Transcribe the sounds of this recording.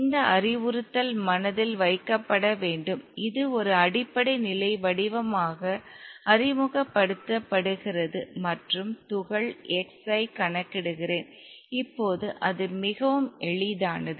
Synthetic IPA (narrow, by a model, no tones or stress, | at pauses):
ɪnd̪ɐʔɐɾɪʋɯɾɯt̪ːɐlmɐnɐðɪlʋɐɪkːɐpːɐɽɐʋeːɳɖɯmɪðɯɔɾɯɐɽɪpːɐɽɐɪnɪlɐɪʋɐɽɪʋɐmaːɣɐɐrɪmɯɣɐpːɐɽɯt̪ːɐpːɐɽɯɣɪrɐðɯmɐʈrɯmt̪ʊɣɐɭɛksɐɪkɐɳɐkːɪɽɯɣɪreːn | ɪpːoːðɯʔɐðɯmɪɣɐʋɯmɛɭɪðaːnɐðɯ